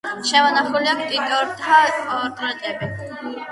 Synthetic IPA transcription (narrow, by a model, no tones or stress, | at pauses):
ʃɛmɔnaχuliakt̪ʼit̪ʼɔɾt̪ʰaɔɾt̪ʼɾɛt̪ʼɛbɛ